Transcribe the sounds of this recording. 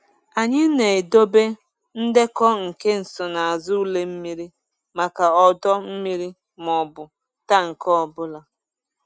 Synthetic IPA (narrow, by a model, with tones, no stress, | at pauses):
a˨ɲɪ˦ne˨e˨do˦be˦ | n̩˦de˦kɔ˦ŋ̩˨ke˦n̩˨sɔ˨na˨a˨zʊ˦u˦le˦m̩˦mi˦ɾi˦ | ma˨ka˨ɔ˨dɔ˦m̩˦mi˦ɾi˦ | m˨ɔ˨bʊ˨ | ta˦ŋ̩˨kɔ˦ɔ˨bʊ˦la˨